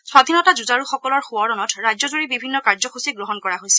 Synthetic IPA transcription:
swad̪ʱinɔtazuzaɹuxɔkɔlɔɹxʊɔɹɔnɔtɹajzɔzuɹibibʱinːɔkaɹzɔxʰusiɡɹoɦɔnkɔɹaɦojsɛ

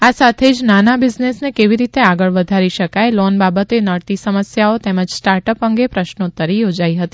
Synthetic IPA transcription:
asat̪ʰed͡ʒnanabɪd͡ʒnesnekeʋiɾit̪eaɡəɭʋəd̪ʱaɾiʃəkajlɔnbabət̪enəɽt̪isəməsjaot̪ɛməd͡ʒsʈaɾʈəpəŋɡepɾəʃnot̪əɾijod͡ʒaiɦət̪i

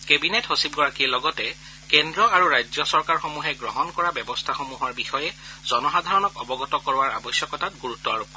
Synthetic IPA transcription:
kebinetɦosib̚ɡɔɹakiɛlɔɡɔtɛ | kendɹɔaɹuɹajzjɔsɔɹkaɹxomuɦɛɡɹɔɦɔnkɔɹabɛbɔstʰaxomuɦʊwaɹbixɔjɛzɔnɔxadʱaɹɔnɔkɔbɔɡɔtɔkɔɹʊwaɹa̰bɔsjɔkɔtatɡuɹutːɔaɹopkːɔ

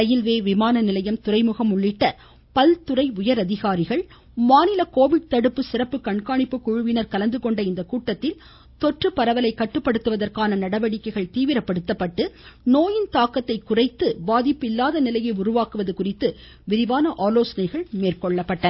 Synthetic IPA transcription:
ɐjɪlʋeːʋɪmaːnɐnɪlɐjɐmt̪ʊrɐɪmʊɣɐmʊɭːɪʈːɐ | pɐlt̪ʊrɐɪʊjɐɾɐðɪɣaːɾɪɣɐɭ | maːnɪlɐkoːʋɪɽ̚t̪ɐɽɯpːɯsɪrɐpːɯkɐɳkaːɳɪpːɯkʊɻʊʋɪnɐɾkɐlɐnd̪ɯkɔɳɖɐɪnd̪ɐkuːʈːɐt̪ːɪl | t̪ɔʈrɯpɐɾɐʋɐlɐɪkːɐʈːɯpːɐɽɯt̪ːɯʋɐðɐrkaːnɐnɐɽɐʋɐɽɪkːɐɪɣɐɭt̪iːʋɪɾɐpːɐɽɯt̪ːɐpːɐʈːɯnoːjɪnt̪aːkɐt̪ːɐɪkʊrɐɪt̪ːɯbaːðɪpːɪlːaːðɐnɪlɐjɐɪʊrʊʋaːkɯʋɐðɯkʊrɪt̪ːɯ | ʋɪɾɪʋaːnɐʔaːloːsɐnɐɪɣɐɭmeːrkɔɭːɐpːɐʈːɐ

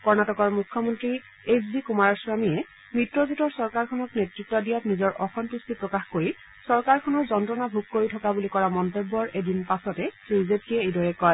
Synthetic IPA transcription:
kɔɹnatɔkɔɹmukʰːɔmɔntɹi | esbikumaɹaɹswamijɛ | mɹitɹɔzutɔɹsɔɹkaɹkʰɔnɔknetɹitːɔdijap̚nizɔɹʔɔxɔntustipɹɔkaxkoɹi | sɔɹkaɹkʰɔnɔɹzɔntɹɔnabʱuk̚koɹitʰɔkabulikɔɹamɔntebːɔɹedinpasɔtɛsɹizepʰiɛejdɔɹɛkɔj

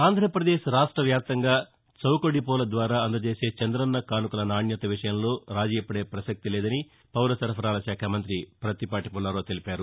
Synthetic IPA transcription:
aːnd̪ʱɾɐpɾɐd̪eːʃɾaːʂʈɾɐʋjaːp̚t̪ɐŋɡaː | t͡ʃɐwkoɽipɔːlɐd̪ʋaːɾaːɐnd̪ɐt͡ʃe̞ːse̞ːt͡ʃɐnd̪ɾɐnːɐkaːnukulɐnaːɳjɐt̪ɐʋiʂɐjɐmlo̞ːɾaːd͡ʒiːjɐpːɐɽe̞ːpɾɐsɐk̚t̪ileːd̪ɐni | pɐwlɐsɐɾpʰɐɾaːlɐʃaːkʰaːmɐnt̪ɾipɾɐt̪ipaːʈipulːɐɾoːt̪e̞lipaːɾu

